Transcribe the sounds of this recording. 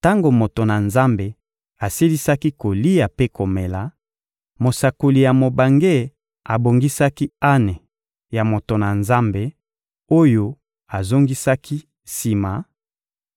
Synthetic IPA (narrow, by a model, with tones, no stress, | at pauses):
ta˦ŋɡo˨mo˨to˨na˨nza˦mbe˨ | a˨si˦li˦sa˦ki˦ko˨li˦ja˨pe˦ko˨me˨la˨ | mo˨sa˨ko˨li˨ja˨mo˨ba˨ŋɡe˦ | a˨bo˨ŋɡi˦sa˦ki˦a˦nɛ˨ | ja˨mo˨to˨na˨nza˦mbe˨ | o˦jo˦ | a˨zo˦ŋɡi˦sa˦kʰi˦ | si˨ma˨